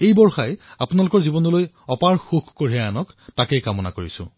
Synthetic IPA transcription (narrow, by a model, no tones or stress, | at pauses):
ejbɔɹxajapunalʊkɔɹzibɔnɔloj | ɔpaɹxuxkoɹianɔktakejkamɔna̰koɹisʊ̰̃